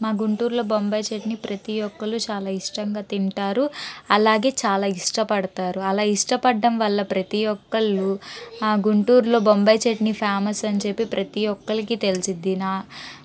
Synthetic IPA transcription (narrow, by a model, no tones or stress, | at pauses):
maːɡuɳʈuːɾloːbombɐjt͡ʃeʈnipɾɐt̪ijɔkːɐlut͡ʃaːlaːiʂʈɐŋɡaːt̪iɳʈaːɾuɐlaːɡe̞ːt͡ʃaːlaːiʂʈɐpɐɽɐt̪aːɾuɐlaːiʂʈɐpɐɖːɐmʋɐlːɐpɾɐt̪ijɔkːɐɭːuaːɡuɳʈuːɾlo̞ːbombɐjt͡ʃeʈnipʰaːmɐsɐɲt͡ʃe̞pːipɾʔɐt̪ijɔkːɐɭikit̪e̞lisind̪inaː